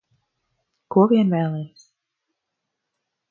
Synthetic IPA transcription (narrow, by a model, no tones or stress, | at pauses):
kuɔvʲiɛnvæːlˠɛːs